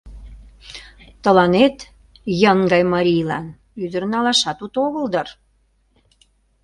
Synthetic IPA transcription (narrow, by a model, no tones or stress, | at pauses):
t̪ə̆lɑnet̪ | jəŋɡɑjmɑɾʲijlɑ̰n | yd̪əɾənɑlɑʃɑt̪ut̪oɣəld̪ər